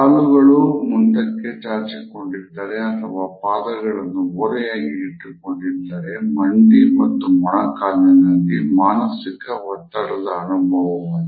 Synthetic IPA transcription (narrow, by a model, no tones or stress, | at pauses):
kaːluɣɐɭumʊnɖ̪ɐkːet͡ʃaːɾt͡ʃikːɔɳɖit̪ːaːɾeɐt̪ʰːɐʋaːpaːðɐɣɐɭɐnːuɔɾɐjaːɡiːʈːɯkːɔɳɖiɾt̪ːaːɾemɐɳɖimɐt̪ːumːɐɳɐkaːlɐnɐnd̪imaːnɐsikːɐʋɐt̪ːɐɽɐðɐːnubʱɐʋɐmɐ